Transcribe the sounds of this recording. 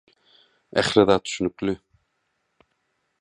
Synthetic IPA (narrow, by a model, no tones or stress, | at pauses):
ɛχɾaðat̪ʃnʏklʏ